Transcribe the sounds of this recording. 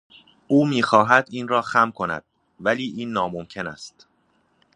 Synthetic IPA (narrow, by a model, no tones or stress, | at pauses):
ʔuːmiːxɒːɦæd̪iːnrɒːxæmkʰo̞næ̰d̪̥ | væliːʔiːnːɒːmomcʰe̞næ̰st̪